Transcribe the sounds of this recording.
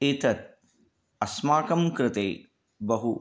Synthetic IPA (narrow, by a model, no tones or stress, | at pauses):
eːt̪ɐt̪̚ | ɐsmaːkɐmkɾɪt̪eː | bɐɦu